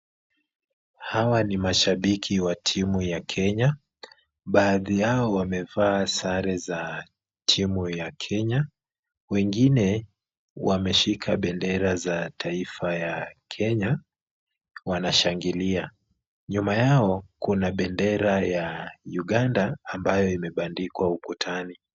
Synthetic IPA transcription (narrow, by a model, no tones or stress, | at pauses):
hawanimaʃaɓikʰiwatʰimujakʰɛɲa | ɓaːðijaɔwamɛvaːsaɾɛza | tʰimujakʰɛɲa | wɛŋɡinɛ | wamɛʃikʰaɓɛndɛɾazatʰaifajakʰɛɲa | wanaʃaŋɡilia | ɲumajaɔkunaɓɛndɛɾajajuɠandaːmbajɔimɛɓandikwaukutʰani